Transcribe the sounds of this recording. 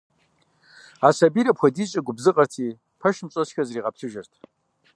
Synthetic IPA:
asabiɾɐpʰxʷɐdit͡ʃʼɐɡʷʊbzɨqʼɐrtʰi | pʰɐʃmt͡ʃʼosxʲazriːʁap̚ʰɬʰɨʒɐrtʰ

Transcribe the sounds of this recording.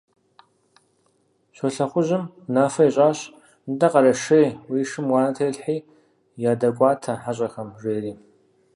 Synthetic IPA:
ɕʷɔɬɐχʷʊʑɪm | naːfɐiɕʼaːɕ | ndɐqɐɾɐʂɐjwiːʂɨmwɑːnɐtʰejɬħiː | jaːdɐkʷʼɑːtʰɐħaɕʼɐxɐmʒʷeːriː

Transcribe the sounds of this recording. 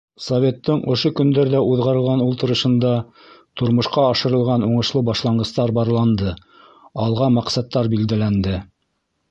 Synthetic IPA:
sovʲe̞t̪ːɤɴŏʃokɵ̆nd̪æɾðæuðʁɑɾɤ̆lˠʁɑnulˠt̪ɤ̆ɾɤ̆ʃɤ̆nd̪ɑ | t̪ŏɾmŏʃqɑɑʃɤ̆ɾɤ̆lˠʁɑnuɴɤ̆ʃlˠɤbɑʃlˠɑɴɢɤ̆st̪ɑɾbɑɾlˠɑnd̪ɤ | ɑlˠʁɑmɑqsɑt̪ːɑɾbild̪ælænd̪ɘ

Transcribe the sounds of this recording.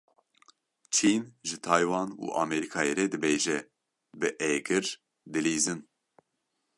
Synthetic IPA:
t͡ʃʰiːnʒɨt̪ʰɑːjwɑːnṵːʔɑ̰ːmɛɾikʰɑːjeɾɛd̪ɨbeːʒɛ | bɨʔɛɡɨɾ | d̪ɨliːzɨn

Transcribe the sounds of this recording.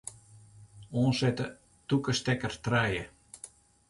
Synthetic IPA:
oːnsɛtə | tukəstɛkərtrɛjə

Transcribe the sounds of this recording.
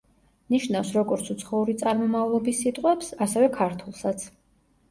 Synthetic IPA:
niʃnafsɾɔɡɔɾt̪sʰut̪sʰχɔuɾit̪sʼaɾmɔmavlˠɔbisːit̪ʼqʼwɛpsasɛvɛkʰaɾt̪ʰulˠsat̪sʰ

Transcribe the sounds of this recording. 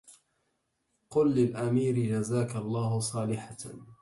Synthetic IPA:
qʊlːɪlʔamiːɾɪd͡ʒazaːkalˤːɑːɦʊsˤɑːlɪħa

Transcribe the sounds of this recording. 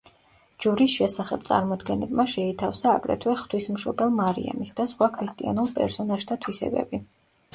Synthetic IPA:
d͡ʒuɾisʃɛsaχɛb̥̚t̪sʼa̰ɾmɔd̪ɡɛnɛbmaʃɛit̪ʰafsaːɡɾɛ̰t̪ʰwɛχt̪ʰwismʃɔbɛlˠmaɾḭa̰misd̪asχwakʰɾist̪ʼia̰nulˠpʼɛ̰ɾsɔnaʒt̪ʰat̪ʰwisɛ̰bɛ̰bi

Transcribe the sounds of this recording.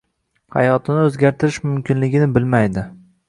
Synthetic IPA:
ha̰jɒt̪ʰɪnɪɵzɡʲaɾt̪ʰɪɾɪʃmʊmkʲʰɪnlɪɡʲɪnɪbɪlmajd̪ɪ

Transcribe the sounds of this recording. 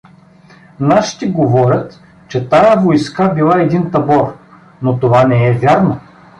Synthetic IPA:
naʃi̥t̪iɡovɔɾʲət̪ | t͡ʃɛt̪ajəvojskabilˠaɛd̪int̪ɐbɔɾ | not̪ovanɛɛvʲaɾno

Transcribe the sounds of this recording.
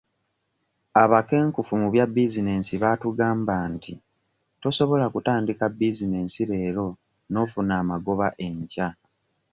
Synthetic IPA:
aβake̞ːŋkufumuβjabːizine̞ːnsiβatuɡaːmbanti | to̞so̞βo̞lakutaːndikabːizine̞ːnsiɾe̞ːɾo̞ | no̞ːfunaːmaɡo̞βaʔe̞ɲca

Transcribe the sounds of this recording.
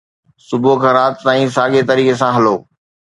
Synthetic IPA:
sʊbokʰãːɾaːt̪t̪aːĩːsaːɠet̪əɾiːkesãɦɐloː

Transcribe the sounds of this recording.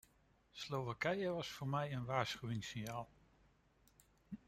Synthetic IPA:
slowʋakɛjəʋɑsfʊːɹmɛjənʋaːɹsχyʋɪŋsɪnjaːlˠ

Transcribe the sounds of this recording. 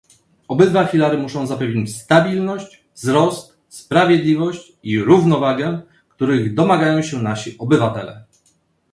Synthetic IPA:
ɔbɘd̪vafʲilaɾɘmuʂɔ̃w̃zapɛvɲet͡ɕst̪abʲilnɔɕt͡ɕ | vzɾɔst̪ | spɾavʲjɛd̪lʲivɔɕt͡ɕ | iɾuvnɔvaɡɛ | kt̪uɾɘɣd̪ɔmaɡajɔ̃w̃ɕɛnaɕiʔɔbɘvat̪ɛlɛ̰

